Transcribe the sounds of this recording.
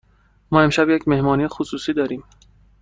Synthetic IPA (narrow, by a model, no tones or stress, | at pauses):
mɒːe̞mʃæbjecʰme̞hmɒːniːjexosuːsiːd̪ɒːɾiːm